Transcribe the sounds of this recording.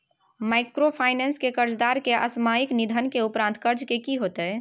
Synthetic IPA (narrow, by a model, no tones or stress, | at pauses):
maɪkɾopʰaɪnenskekəɾd͡ʒd̪aɾkeʔə̰smajiknid̪ʱənkeupɾãnt̪kəɾd͡ʒkekiɦot̪ɛ